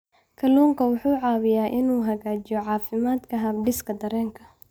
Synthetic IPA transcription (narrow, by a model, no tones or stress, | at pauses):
kʰɐluːŋkʰɐwʊħuːʕɑːwɪjaːʔɪnuːɦɐɣaːt͡ʃɪjɔʕɑːfɪmaːd̪kʰɐɦɐbɖɪskʰɐd̪ɐɾɛːŋkʰɐ̥